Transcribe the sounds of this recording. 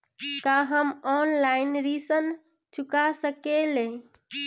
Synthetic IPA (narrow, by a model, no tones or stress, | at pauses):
kaɦəmɔnlainɾisən | t͡ʃʰukasəkele